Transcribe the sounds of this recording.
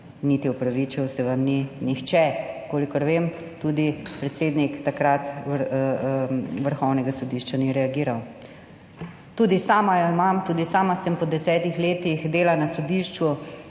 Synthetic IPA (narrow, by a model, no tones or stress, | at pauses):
nit̪iɔpɾaʋit͡ʃiwsɛʋamninixt͡ʃɛkoːlikɔɾʋem | t̪ud̪ipɾɛt̪seːd̪nikt̪akɾat̪ | ʋəɾxɔwnɛɡasɔd̪iʃt͡ʃaniɾɛaɡiːɾaw | t̪uːd̪isaːmajɔimamt̪uːd̪isaːmasɛmpɔd̪ɛsɛːt̪ixleːt̪ixd̪eːlanasɔd̪iʃt͡ʃu